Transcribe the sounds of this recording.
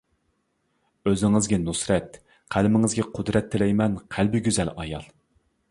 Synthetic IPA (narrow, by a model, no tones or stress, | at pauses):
øzɪŋɪzɡʲɛnusɾɛt̪ | qʰælmɪŋɪzɡʲɛqʰʊd̪ɾɛt̪ʰːɪlɛjmɛnqʰælbɪɡʲyzɛlɑjɑ̰lˠ